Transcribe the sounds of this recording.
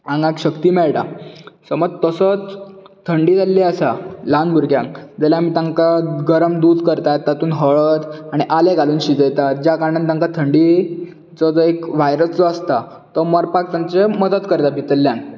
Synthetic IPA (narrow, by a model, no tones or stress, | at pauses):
ãŋɡãkɕəkt̪iːmɛɭʈasəməd͡zt̪əsət͡st̪ʰːəɳɖiːd͡zalːiasalanbʱuɾɡjãŋkd͡zalamiːt̪ãŋkaɡəɾəmd̪uːd̪ʱkəɾt̪at̪ːat̪uːnɦəɭət̪aɽ̃iʔaleɡaluːnɕid̪ejt̪at̪̚d͡ʑjakaɳant̪aŋkat̪ʰəɳɖi | t͡sɔt͡səekʋajɾəst͡sɔəst̪a | t̪əməɾpak̚t̪jaɲt͡seməd̪ət̪kəɾt̪abʱit̪əlːjãn